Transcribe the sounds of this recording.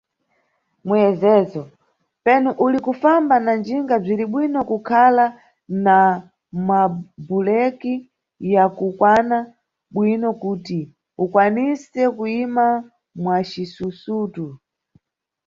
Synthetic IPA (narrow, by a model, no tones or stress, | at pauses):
mujɛzɛːzɔ | pɛnuʔulikufambanand͡ʒiŋɡab͡ʐiɾiɓwinɔkukʰala | na | mabulɛki | jakukwana | ɓwinɔkuti | ukwanisɛkuima | mwat͡ʃisusuːtu